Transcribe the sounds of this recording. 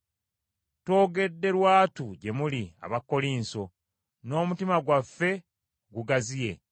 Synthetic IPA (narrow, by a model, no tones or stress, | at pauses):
to̞ːɡe̞dːe̞ɾwaːtuɟe̞mulia̰βakːo̞liːnso̞ | no̞ːmutimaɡwafːe̞ | ɡuɡazije̞